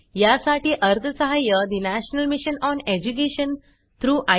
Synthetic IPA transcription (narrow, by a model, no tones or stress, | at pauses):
jasaʈiːʔəɾt̪ʰəsəɦajəd̪inæɕnəlmiɕənɔned͡ʑuk̬eɕən | t̪ʰɾuːʔa